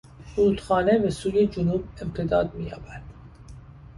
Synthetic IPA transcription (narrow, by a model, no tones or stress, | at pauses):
suːt̪xɒːnebesuːjed͡ʒonuːbe̞mt̪ʰed̪ɒːd̪̚miːjɒ̰ːbæd̪̥